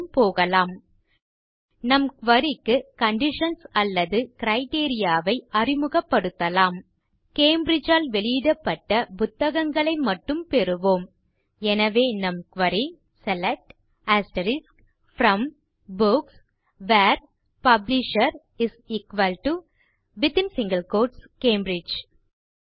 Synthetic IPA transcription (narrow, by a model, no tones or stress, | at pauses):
mpoːɣɐlaːm | nɐmkʋɐɾɪkːɯkɐɳɖɪʂɐnsɐlːɐðɯkɪɾɐɪʈeːɾɪjaːʋɐɪʔɐrɪmɯɣɐpːɐɽɯt̪ːɐlaːm | keːmbɾɪd͡ʒaːlʋɛɭɪːðɐpːɐʈːɐpʊt̪ːɐɣɐŋɡɐɭɐɪmɐʈːɯmpɛɾɯʋoːm | ɛnɐʋeːnɐmkʋɐɾi | sɛlɛk̚ʈ | aːsʈɐɾɪsk | fɾɐm | bʊks | ʋaːɾ | pɐblɪʃɐɾ | ɪsɪkʋɐlʈu | bɪt̪ɪnsɪŋɡɐlkoːɾʈskeːmbɾɪd͡ʒ